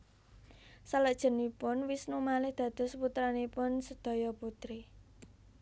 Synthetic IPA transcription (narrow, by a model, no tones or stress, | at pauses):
saləʔd̥ʒ̥ə̤nipʊnwisnumalɪhd̪̥ä̤d̪̥ɔ̤sput̪ɾanipʊnsəd̪̥ɔ̤jɔput̪ɾi